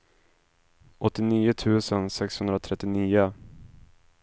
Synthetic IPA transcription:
ʔɔt̪ːɪniːʊt̪ʰʉ̟ːsənsɛkshɵnd̪ɾat̪ʰɾɛt̪ːɪniːʊ

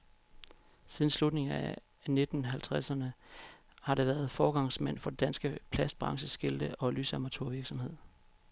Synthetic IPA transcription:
siːðˠn̩slud̥ne̝ŋæ | ne̝d̥n̩ɦælt͡sʰʁasɐnə | hɑ̈ɾeʋæɐð̞̩ˠfɒːɡ̥ɑ̈ŋsmæn̰fɒ̽d̥ed̥ænsɡ̥əpʰlæsd̥̚b̥ʁɑ̈ŋɕəsɡ̥e̝ld̥əʔɒ̽lysɑmɐt͡sʰoɐʋiɐɡ̥sɒ̽mhe̝ð̰ˠ

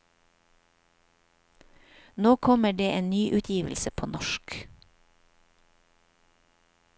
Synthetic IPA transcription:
noːkʰɔməɖeːʔeːnnyːʔʉːt̪ʰjiːʋəl̩səpʰoːnɔʃk

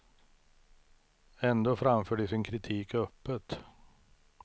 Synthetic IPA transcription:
ɛnd̪oːfɾamføːɖɪsɪnkʰɾɪt̪ʰiːkœpːət̪

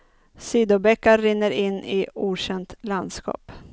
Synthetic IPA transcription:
siːd̪ʊbɛkːaɾɪnːəɾɪnːɪuːɕɛnt̪land̪skɑ̰ːp

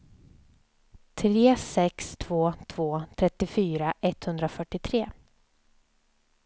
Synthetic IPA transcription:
t̪ʰɾeːsɛkst̪ʰvoːt̪ʰv̥oːt̪ʰɾɛt̪ːɪfyːɾaʔɛt̪hɵnd̪ɾafœʈːɪt̪ʰɾeː

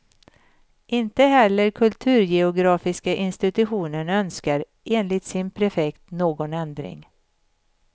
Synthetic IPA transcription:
ʔɪnt̪əɦɛlːəɾkʰɵlt̪ʰʉ̟ːɾjɛʊɡɾɑːfɪskaʔɪnst̪ɪt̪ɵɧuːnənœnskaɾ | ʔeːnlɪt̪sɪnpʰɾɛfɛkt̪noːɡɔnɛnd̪ɾɪ̰ŋ

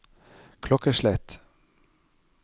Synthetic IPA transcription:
kʰlɔkəʃlɛt̪

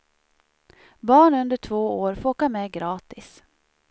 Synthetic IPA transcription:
bɑːɳɵnd̪əʈʰvoːoːɾfooːkamɛːɡɾɑːt̪ɪs

